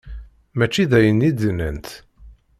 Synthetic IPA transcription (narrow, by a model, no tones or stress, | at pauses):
mæt͡ʃːiðæjənːid̪ənːənt̪